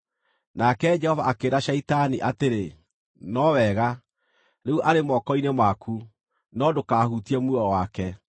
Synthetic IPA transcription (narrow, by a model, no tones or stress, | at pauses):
nakɛd͡ʒɛhɔvaakeːɾaʃaitaniʔateɾe | nɔwɛɣa | ɾeuʔaɾemɔkɔinemwakʰu | nɔdokahutiɛmuɔwakɛ